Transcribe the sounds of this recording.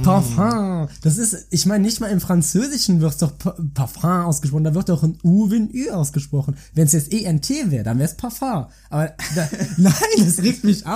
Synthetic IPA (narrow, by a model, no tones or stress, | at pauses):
pʰafãːd̥as̬ɪstɪçmaɪnənɪçtmaːlɪmfʁ̥ant͡søːzɪʃn̩vɪʁtsd̥ɔχppʰafãːaʊsɡ̥əʃpʁ̥ɔχndaːvɪʁt̚aʊɪnuːvɪnʔyːʔaʊsɡ̥əʃpʁ̥ɔχn̩vɛnsjɛt͡stʔeːʔɛɪntʰeːvɛːʁədanvɛːspʰaɐfaː | ʔaːbɐd̥anaɪndasʁiːktmɪçʔa